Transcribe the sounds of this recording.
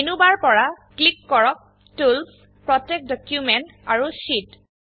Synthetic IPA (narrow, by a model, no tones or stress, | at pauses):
enubaɹpɔɹaklikːɔɹɔk̚ | tulp | pɹɔtɛk̚dɔkjumɛnt | aɹusit